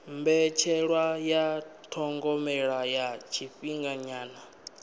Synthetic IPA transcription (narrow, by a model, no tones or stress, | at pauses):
mbɛt͡ʃʰɛɺwajatʰɔŋɡɔmɛɺajat͡ʃʰiɸiŋɡaɲaːna